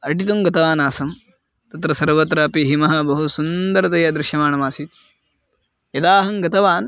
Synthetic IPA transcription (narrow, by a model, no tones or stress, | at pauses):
ɐʈit̪̬umɡɐt̪ɐʋaːnaːsɐm | t̪ɐt̪ɾɐsɐɾʋɐt̪ɾɐːpiɦimɐɦɐbɐɦusund̪ɐɾɐt̪ɐjɐd̪ɾɪʃjɐmaːɳɐmaːsit̪̚ | jɐd̪aːɦɐŋɡɐt̪ɐʋaːn